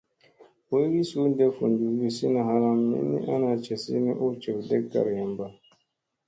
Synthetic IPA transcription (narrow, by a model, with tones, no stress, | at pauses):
wo˦wi˦su˦n˦dɛ˦fu˨n˨du˨˦i˨si˦na˨ɦa˦ɾa˦mmḭ˦nḭ˦ʔa̰˦na˨t͡ʃɛ˨sḭ˦ni˦ʔo˦t͡ʃɛ˨bdɛ˦ka̰˨ɾa˨ɲɛ˨mba˨